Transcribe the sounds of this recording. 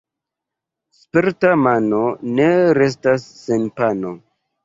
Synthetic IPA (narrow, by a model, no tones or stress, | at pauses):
speɾtamanone̞ɾe̞s̬tasːenpano